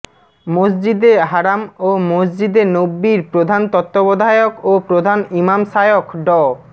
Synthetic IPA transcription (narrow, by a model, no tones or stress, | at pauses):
mosd͡ʑid̪eɦaɾamomosd͡ʑid̪enobːiɾpɾod̪ʱant̪ɔt̪ːobod̪ʱaokopɾod̪ʱanimamʃajokɖɔ